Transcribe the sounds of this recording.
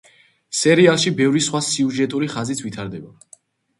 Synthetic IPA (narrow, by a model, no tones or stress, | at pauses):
sɛɾialˠʃibɛvɾisχwasiuʒɛt̪ʼuɾiχazit̪ʰvit̪ʰaɾd̪ɛba